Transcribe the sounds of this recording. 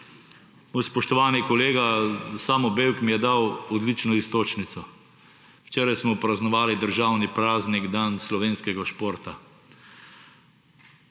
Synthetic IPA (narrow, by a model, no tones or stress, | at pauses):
mojspɔʃt̪ɔʋaːnikɔleːɡasaːmɔbewkmijɛd̪awɔd̪lit͡ʃnɔist̪oːt͡ʃnit̪sɔ | wt͡ʃeːɾajsmɔpɾaznɔʋaːlid̪əɾʒaːwnipɾaːzniɡd̪anslɔʋeːnskɛɡaʃpoːɾt̪a